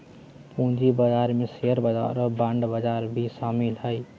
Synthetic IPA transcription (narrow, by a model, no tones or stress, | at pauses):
pũd͡ʒibəd͡ʒaɾmeseəɾbəd͡ʒa̰ɾbãɳɖbəd͡ʒaɾbʱisamilɦəj